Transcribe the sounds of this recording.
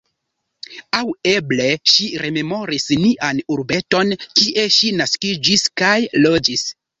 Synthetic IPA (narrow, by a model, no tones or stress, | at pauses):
awe̞ble̞ʃiɾe̞me̞mo̞ɾisniʔanuɾbe̞to̞nkiʔe̞ʃinaskid͡ʒiskajlo̞d͡ʒis